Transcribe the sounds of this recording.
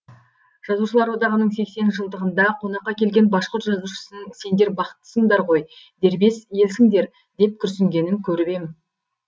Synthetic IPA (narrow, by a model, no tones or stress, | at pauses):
ʒ̥ɑzuʃəlˠɑɾwo̞d̪ɑʁənəɴse̞kse̞nʒəlˠd̪əʁənd̪ɑqʰo̞nɑqːɑkʲʰe̞lɡʲe̞nbɑʃqʊɾt̪ʒɑzuʃə̥sənəse̞nd̪e̞ɾbɑqə̥t̪ːə̥səŋd̪ɑɾʁo̞j | d̪e̞ɾbe̞sje̞lsɪŋd̪e̞ɾ | d̪e̞p̚kʲʰʏɾsɪŋɡʲe̞nɪŋkʲʰɵɾɪbe̞mɪn